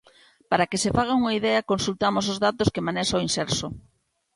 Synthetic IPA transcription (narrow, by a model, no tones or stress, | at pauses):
paɾakesefaɣauŋɐiðɛɐkonsult̪amos̬ozðat̪oskemanɛsoinsɛɾso